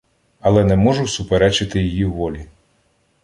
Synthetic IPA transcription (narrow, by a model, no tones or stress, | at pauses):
ɐlˠɛnɛmɔʒʊsʊpeɾɛt͡ʃɪt̪ɪjijiwːɔlʲi